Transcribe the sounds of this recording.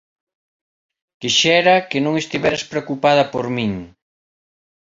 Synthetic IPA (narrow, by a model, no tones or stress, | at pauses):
kiʃɛɾɐkenõŋest̪iβɛɾaspɾeokupað̞ɐpoɾmĩŋ